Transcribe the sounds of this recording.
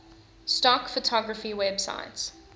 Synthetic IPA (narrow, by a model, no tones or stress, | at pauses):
stɔkfətʰɔɡɹəfiwɛbsa̰ɪts